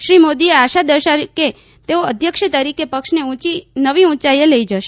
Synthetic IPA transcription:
ʃɾimod̪ieaʃad̪əɾʃaʋke | t̪eoəd̪ʱjəkʃət̪əɾikepəkʃneũt͡ʃinəʋiũt͡ʃajeləid͡ʒəʃe

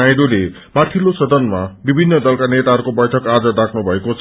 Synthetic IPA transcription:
ajd̪ule | maʈʰilosʌd̪ʱʌnmabibʱinːʌd̪ʌlkanet̪aɦʌɾkobʌjʈʰʌkad͡zʌd̪akʰnubʱʌekot͡sʰ

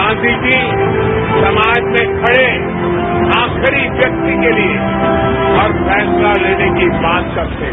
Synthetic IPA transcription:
ãːd̪id͡ʒi | sɐmaːd͡ʒmẽkʰɐɽe | ãːkʰəɾiʋʋjɐk̚t̪ikelie | ɔːɾpʰɛːslaleːnekibãːt̪kɐkt̪e

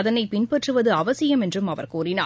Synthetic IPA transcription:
ɐðɐnɐɪpɪnpɐʈrɯʋɐðɯɐʋɐsɪjɐmɛndrɯmɐʋɐ̰ɾkuːrɪna̰ː

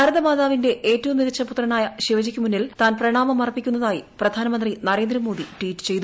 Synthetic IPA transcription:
kɐɾɐðɐmaːðaːʋinde̞ʔeːtːɐʋumniðɐt͡ɕːɐput̪rɐnaːjɐɕiʋɐd͡ʑikʲːumunːilt̪aːnprɐɳaːmɐmɐrɐpːikʲːunːɐðaːjiprɐd̪ʱaːnɐmɐnd̪rinɐɾe̞ːnd̪ɾɐmo̞ːd̪iʈwiːtːɨ̥t͡ɕe̞jt̪u

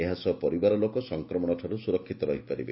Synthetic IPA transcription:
eɦasɔpɔɾibaɾɔlokɔsɔŋkɾɔmɔɽ̃ɔʈʰaɾusuɾɔkʰːit̪ɔbaɦipaɾḭbe

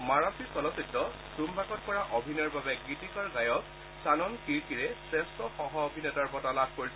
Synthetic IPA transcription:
maɹasisɔlɔsitːɔ | sumbʱakɔt̚pɔɹaʔobʱinɔɹbabɛɡitikaɹɡajɔk | sanɔnkiɹkiɹɛsɹɛstɔxɔɦɔobʱinɛtaɹbɔtalab̚ʱkoɹis

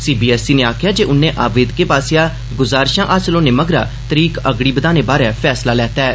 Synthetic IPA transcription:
siːbiːɛːsiːnẽːaːkʰɪjaːd͡ʒeːʔʊnẽːʔaːʋeːd̪keːpaːsɪjaː | ɡʊzaːɾʃãːʔaːsəlõːneːməɡɾa̰ː | t̪əɾiːkəɡɽiːbəd̪aːnẽːbaːɾɛ̃ːpʰɛːslaːlɛːt̪aːɛː

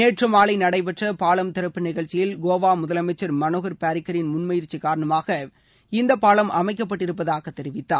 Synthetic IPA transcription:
neːʈrɐmaːɭɐɪnɐɽɐɪpɛʈrɐpaːɭɐmt̪ɪɾɐpːɯnɪɣɐɭt͡ʃːɪjɪlɡoːʋaːmʊðɐlɐmɐɪt͡ʃːɐɾmɐnoːɣɐɾpaːɾɪkːɐɾɪnmʊnmɐjɪɾt͡ʃːikːaːɾɐɳɐmaːɣɐ | ɪnd̪ɐpːaːlɐmɐmɐɪkːɐp̬ːɐʈːɪɾɯp̬ːɐðaːɣɐt̪ːɛɾɪʋɪt̪ːa̰ː

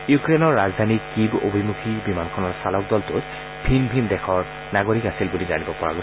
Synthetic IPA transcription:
jukɹenɔɹːazdʱanikibo̰bʱimukʰibimankʰɔnɔɹsalɔk̚dɔltʊt | b̥ʱinbʱindɛkʰɔɹ | naɡoɹikasilbulizanibɔpɔɹa̰ɡo

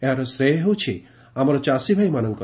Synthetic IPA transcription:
eɾɐsɾeɦut͡ʃʰi | amɾɐt͡ʃasibʱajmanɐŋkɐ

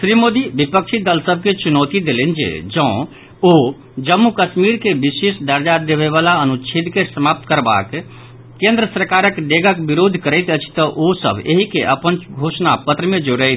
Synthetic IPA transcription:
sɾimod̪ibipək̚t͡ʃʰid̪əlsəb̚ʱket͡ʃunɔt̪id̪elend͡ʒḛd͡ʒə̃ʊ̃ | o | d͡ʒəmːukəsmiɾkebisesd̪əɾd͡ʒad̪eβeβalaənut͡ʃʰit̪kesəmap̚t̪kəɾba̰k | kːẽnd̪ɾəsɾəkaɾəkɖ̪eɡəkbiɾod̪ʱkəɾəɪt̪ət͡ʃʰt̪əʔosə̰bʱeɦikḛʔəpənɡʱosnapət̪ɾəmẽd͡ʒoɽəɪt̪ʰ

